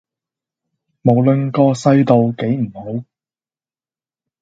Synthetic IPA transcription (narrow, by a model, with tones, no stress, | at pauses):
mo˨˩wlɵ˨nkɔː˧sɐ˥jt̪o˨wke˨˥jm̩˨˩ho˨˥w